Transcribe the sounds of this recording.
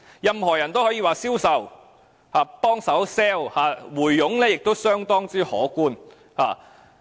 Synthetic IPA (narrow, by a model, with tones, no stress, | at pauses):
jɐ˨mhɔː˨˩jɐ˨˩nt̪o˥whɔː˨˥jiː˧waː˨siː˥wsɐ˨w | haː˨˧pɔː˥ŋsɐ˨˥wsɛː˥whaː˨˧wuː˨˩jːʊ˨˥ŋlɛː˥jɪ˨k̚t̪o˥wsœː˥ŋt̪ɔː˥ŋt͡syː˥hɔ̰ː˨˥kuː˥˩n | ha̰ː˨˧